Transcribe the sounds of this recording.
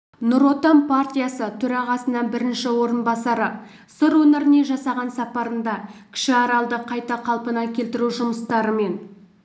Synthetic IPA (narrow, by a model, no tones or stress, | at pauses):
nʊɾo̞t̪ampʰart̪ʲijasət̪ʰɵɾɑʁɑsənɑbɪɾɪnʃɪwo̞ɾənbɑsɑɾə | səɾwɵneɾɪne̞ʒɑsɑʁɑnsɑpɑɾənd̪ɑkʲʰɪ̥ʃɪɑɾɑlˠd̪əqʰɑjt̪ɑqʰɑlˠpənɑkʲʰe̞lt̪ɪɾuʒʊməst̪ɑɾəme̞n